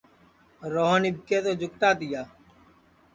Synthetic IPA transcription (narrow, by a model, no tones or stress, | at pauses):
ɾoːɦənɪb̚keːt̪oːd͡ʒʊkʈ̪aːt̪ɪjaː